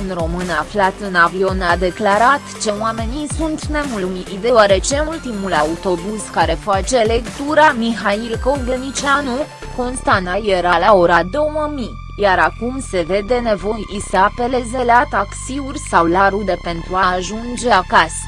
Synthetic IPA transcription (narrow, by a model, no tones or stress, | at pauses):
ɨnro̞mɨnaflat̪ɨnavio̞nad̪e̞klaɾat̪t͡ʃe̞wame̞nisunt̪ne̞mulmiid̪eoaɾe̞t͡ʃe̞ult̪imulaut̪o̞buskaɾe̞fat͡ʃe̞le̞kt̪uɾamiɦailkoɡenit͡ʃanu | ko̞nst̪anaje̞ɾalao̞ɾad̪o̞wəmi | jaɾakumse̞ve̞d̪e̞ne̞vo̞jiseape̞le̞ze̞lat̪aksiurʲsawlaɾud̪e̞pe̞nt̪ɾuaʒund͡ʒe̞akasə̥